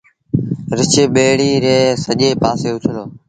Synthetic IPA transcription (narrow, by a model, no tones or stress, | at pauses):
ɾɪt͡ʃeɓeːɽiːɾeːsəʄeːpaːseːʊt͡ʃʰəloː